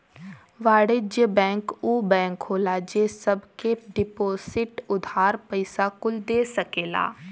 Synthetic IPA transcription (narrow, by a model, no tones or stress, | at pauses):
ʋaːɽed͡ʒjəbɛ̃ːŋkuːbɛ̃ːŋkɦoːlaːd͡ʒeːsəbkeɖɪpoːsɪʈʊd̪ʱaːɾpəɪsakʊld̪eːsəkeːla̰ː